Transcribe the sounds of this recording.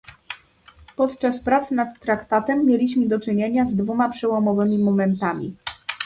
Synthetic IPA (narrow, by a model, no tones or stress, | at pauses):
pɔt̪t͡ʂaspɾat̪sɘnat̪ːɾakt̪at̪ɛmːʲjelʲiɕmɘd̪ɔt͡ʂɘɲeɲazd̪vumapʂɛwɔmɔvɘmʲimɔmɛnt̪amʲḭ